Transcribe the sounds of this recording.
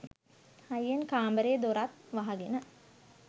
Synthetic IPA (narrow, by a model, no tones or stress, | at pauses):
hajenkaːmbəɾeːd̪oɾat̪ʋaɦaɡenə